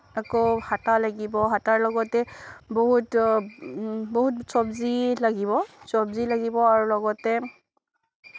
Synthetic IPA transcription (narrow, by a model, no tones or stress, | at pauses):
akohatalaɡibɔɦataɹlɔɡɔtɛboɦut | boɦutsɔbzilaɡiβɔsɔbzilaɡibɔaɹulɔɡɔtɛ